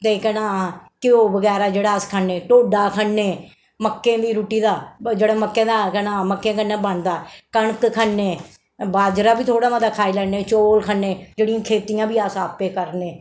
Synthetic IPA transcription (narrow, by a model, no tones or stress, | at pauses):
t̪eːkɛːnãːkɪoːbəɡɛːɾaːd͡ʒeːɽaːskʰənːeːʈoːɖaːkʰəɳːeː | məkːẽːd̪iːɾuːʈiːd̪aːd͡ʒeːɽaːməkːẽːd̪aːkɛːnãːməkːẽːkənːãːbəɳd̪aːkəɳəkkʰənːẽː | baːd͡ʒɾaːbiːt̪ʰoːɽaːmad̪aːkʰaːiːlɛːneːt͡ʃoːlkʰəɳːẽːd͡ʒeːɽɪĩjãːkʰeːt̪ijãːbiːasaːpeːkəɾneː